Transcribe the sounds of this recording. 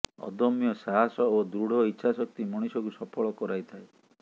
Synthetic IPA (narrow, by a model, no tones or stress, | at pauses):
ɔ̰d̪ɔmjɔsaɦasɔod̪ɾuɽ̤ʱɔitːʃʰasɔk̚t̪imɔɽ̃isɔkusɔpʰɔɭɔkɔɾajt̪ʰae